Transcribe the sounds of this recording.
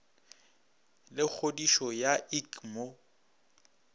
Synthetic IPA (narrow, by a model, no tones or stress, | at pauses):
lɪk͡xʰodiʃɔjaikmo